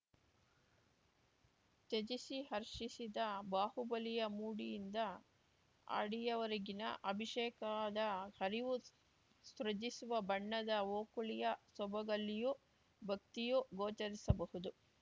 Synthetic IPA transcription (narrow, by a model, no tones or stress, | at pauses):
t͡ʃet͡ʃisiɦɐɾʂisid̪ɐbaːhubɐlijɐmuːɽijind̪ɐ | a̰ːɽijɐʋɐɾɐɡinɐ̰ʔɐbʱiʃɛːkad̪ɐhɐɾiʋu | sɾɐd͡ʒisuʋɐbɐɳːɐd̪ɐoːkuɭijɐsɔbɐɡɐlːiju | bʱɐk̚t̪ijuɡoːt͡ʃɐɾisɐbɐɦud̪u